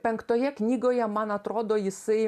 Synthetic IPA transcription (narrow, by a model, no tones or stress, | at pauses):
pʲɛŋkt̪oːjɛknʲiːɡoːjɛmɐnɐt̪ɾoːd̪oːjɪsɐɪ